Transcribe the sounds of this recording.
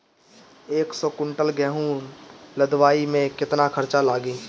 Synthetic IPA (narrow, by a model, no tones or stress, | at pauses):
eːksɔkʊɳʈəlɡɛːɦuːnləd̪waːimẽkɪt̪nakʰəɾt͡ʃalaːɡiː